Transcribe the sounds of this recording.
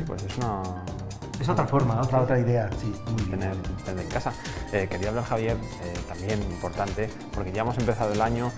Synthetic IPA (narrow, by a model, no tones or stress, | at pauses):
ipwe̞̰se̞suna | es̬ot̪ɾafo̞ɾmaot̪ɾaot̪ɾaiðe̞asimujeneɾt̪eneɾeŋkasa | eke̞ɾiaβlaɾxaβje̞ɾ | et̪ambje̞nimpo̞ɾt̪ant̪e̞ | po̞ɾke̞ʝaemo̞se̞mpe̞θað̞oelaɲo